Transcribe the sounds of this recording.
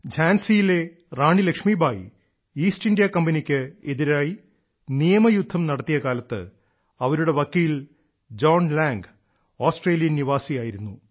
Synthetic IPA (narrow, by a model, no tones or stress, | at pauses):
d͡ʑʱaːnsijile̞ | raːɳilɐkʂmiːbʱaːji | iːsʈindijɐkɐmbɐnikʲːɨeðiɾaːji | nijɐmɐjud̪ʱːɐmnɐɽɐt̪ːijɐkaːlɐt̪ːɨ̰ | ɐʋɐɾuɽe̞ʋɐkːiːl | d͡ʑo̞ːnlaːŋɡ | oːsʈre̞ːlijɐniʋaːsijaːjiɾunːu